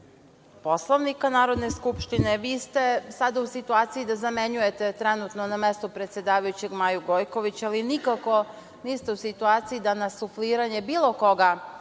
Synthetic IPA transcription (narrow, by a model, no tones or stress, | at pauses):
poslˠoʋnikanaːɾo̞d̪ne̞skupʃt̪ineʋiːst̪e̞sad̪ausit̪uaːt̪sijid̪azameɲuje̞t̪e̞t̪ɾenut̪nonamest̪upɾet̪se̞d̪aːʋajut͡ɕe̞ɡmajuɡo̞jko̞ʋit͡ɕaalinikako̞ | niːst̪e̞usit̪uaːt̪siid̪anasufliːɾaɲe̞biːlˠo̞ko̞ɡa